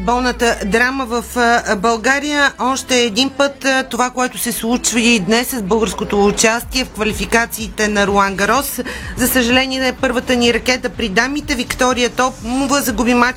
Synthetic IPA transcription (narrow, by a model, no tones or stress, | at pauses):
bɔlˠnət̪əd̪ɾaməvəfbɐlˠɡaɾijəɔʃt̪ɛːd̪inpət̪t̪ːovakoɛt̪ʊ̥sɛslˠut͡ʃvəid̪nɛsːəzbɤlˠɡəɾskot̪oːt͡ʃast̪iɛfkvɐlifikat̪siːt̪ɛnɐɾoaŋɡɐɾɔszɐsəʒɐlɛniɛpɤɾvət̪əniɾɐkɛt̪əpɾid̪amit̪ɛvikt̪ɔɾiət̪ɔpmuvəzɐɡubima